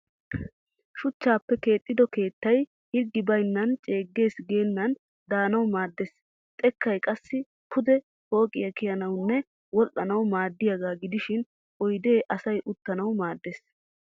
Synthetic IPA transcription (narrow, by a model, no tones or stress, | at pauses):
ʃʊt͡ʃːaːpːɛke̞ːt̪ʼːɪd̪ɔke̞ːt̪ːɐj | hɪɾɡːɪbɐjnːɐnt͡ʃʼe̞ːɡːe̞ːsɡe̞ːnːɐn | d̪aːnɐwmaːd̪ːes | t̪ʼɛkːɐjkʼɐsːɪ | kʰʊd̪ɛ | ho̞ːkʼɪjɐkɪjɐnɐwnːɛ | wɔlʔːɐnɐwmaːd̪ːɪjɐɡaːɡɪd̪ɪʃɪn | ʔɔjd̪e̞ːʔɐsɐjʔʊt̪ːɐnɐwmaːd̪ːes